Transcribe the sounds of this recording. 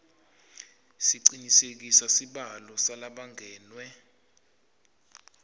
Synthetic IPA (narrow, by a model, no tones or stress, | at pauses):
siǀiɲisek̬isasiɓalɔsalaɓaŋʱɛːnwɛ